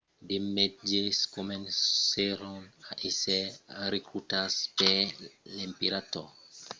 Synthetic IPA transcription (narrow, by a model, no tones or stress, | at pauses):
demet̚d͡ʒeskomɛnseɾɔnaʔesɛɾekɾutaspɛlɛmpiɾatɔ